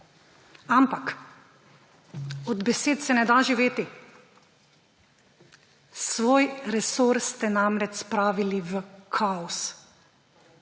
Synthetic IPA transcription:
ampak | ɔd̪bɛseːt̪sɛnɛd̪aʒiʋeːt̪i | sʋoːjɾɛsoːɾst̪ɛnamɾɛt͡ʃspɾaːʋiliʋəkʰaɔs

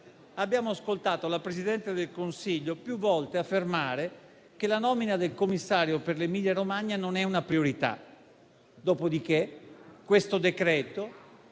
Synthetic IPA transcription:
abːjaːmoaskolt̪aːt̪olapɾezid̪ɛnt̪ed̪elkonsiʎːopjuvːɔlt̪eafːermaːɾe | kelanɔːminad̪elkomːisːaːɾjoperlemiʎːaɾomaɲːanonɛunapɾioɾit̪a̰ | d̪ɔːpod̪ik̟ekwest̪od̪ekɾɛːt̪o

